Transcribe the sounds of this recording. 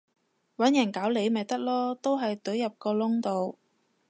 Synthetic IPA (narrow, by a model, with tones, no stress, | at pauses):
wɐ˨˥njɐ˨˩nkaː˨˥wle˨˧jmɐ˨jt̪ɐ˥k̚lɔː˥t̪o˥wɦɐ˨jt̪ɵ˨˥ɥjɐ˨p̚kɔː˧lʊ˥ŋt̪o˨w